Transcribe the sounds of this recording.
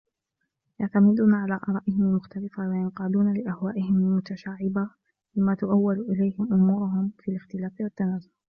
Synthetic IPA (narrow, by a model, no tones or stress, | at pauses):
jaʕt̪amɪd̪uːnaʕalaːʔɑɾˤɑːʔɪhɪmalmʊxt̪alɪfawajanqɑːd̪uːnalɪʔahwaːʔɪhɪmalmʊt̪aʃaːʕɪba | bɪmaːt̪ʊʔawːalʔɪlajhɪmʔʊmuːɾʊɦʊmfiːalɪxt̪ɪlaːfɪwat̪ːanaːzʊl